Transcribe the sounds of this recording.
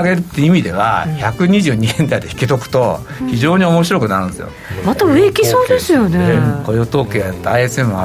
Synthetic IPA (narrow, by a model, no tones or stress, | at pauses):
aɡe̞ɾɯ̟t̪ːeiimʲid̪e̞β̞a̰çakɯ̟ɲ̟iʑɨ̟ːɲ̟iɦẽ̞nd̪aid̪e̞çi̥kʲet̪o̞kɯ̟̥t̪o̞ | çiʑo̞ːɲ̟io̞mo̞ɕiɾo̞kɯ̟naɾɯ̟̃nesɨ̰jo̰mat̪aɯ̟ekʲiso̞ːd̪e̞sɨjo̞neekojot̪o̞ːkeajat̪ːaaiesɨemɯ̟a